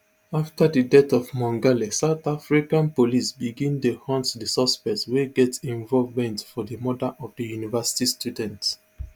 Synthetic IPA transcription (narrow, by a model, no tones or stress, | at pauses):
aftadədɛtɔvmɔ̃ŋɡalisaʊtafɹikãnpolisbiɡĩntuhɔ̃ntdəsɔspɛksweɡɛtsĩɱvɔlvmɛ̃ntfɔðəmɔdaʔɔvdijunivasi̥tistʰjudɛ̃nt